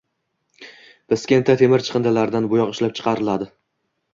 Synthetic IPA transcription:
b̥ɪskʲent̪ʰat̪ʰe̞mɪɾt͡ʃʰɨ̥qɨnd̪alaɾd̪anbʊjɒqɪʃlap̚t͡ʃʰɨ̥qʰɑɾɪlad̪ɪ

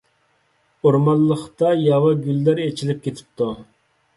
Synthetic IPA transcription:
oɾmɑlˠːəχt̪ɑjɑwɑɡʲylːæɾet͡ʃʰilɪp̚kʲet̪ʰɪ̥p̚t̪ʰu

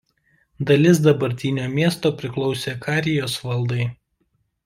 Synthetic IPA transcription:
d̪ɐlʲɪs̬d̪ɐbɐɾʲt̪ʲɪnʲoːmʲiɛst̪oːpʲɾʲɪklˠɒʊsʲeːkɑːɾʲɪjoːsʋɐlˠd̪ɐɪ

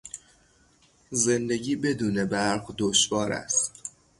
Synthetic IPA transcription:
ze̞nd̪e̞ɟiːbe̞d̪uːne̞bæɾɢd̪oʃvɒːɾæ̰st̪

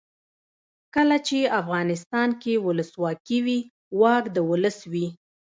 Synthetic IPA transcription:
kəlat͡ʃeafɣɑnɪst̪ɑnkewʊləswɑkiwi | wɑkd̪əwʊləswi

